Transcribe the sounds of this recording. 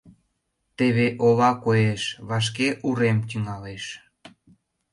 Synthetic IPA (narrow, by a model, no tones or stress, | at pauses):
t̪eβeʔoβɑkojeʃβɑʃ̬keʔuɾemt̪yŋɑleʃ